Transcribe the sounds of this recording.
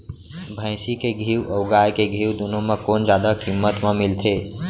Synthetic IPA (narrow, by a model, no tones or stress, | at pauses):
bʱə̃ɪ̃sikeɡʱiːwəʊɡajkeɡʱiːwd̪unomẽkoːnd͡ʒjad̪akimːət̪məmilt̪ʰe